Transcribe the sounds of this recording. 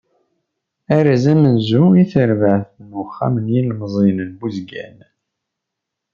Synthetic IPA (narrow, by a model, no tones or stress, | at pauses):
æɾæzæmənzuiθəɾvəʕθnʊχːa̰mənjilmzˤinənbuzɡæ̰n